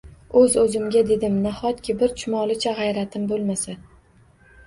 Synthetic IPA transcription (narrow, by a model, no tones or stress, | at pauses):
ɵzɵzɪmʲad̪e̞d̪ɪmnahɒt̪̚kʲɪbɪɾt͡ʃʰʊmɒlˠɪt͡ʃʰaʁɑjɾat̪ʰɪmbolˠmasa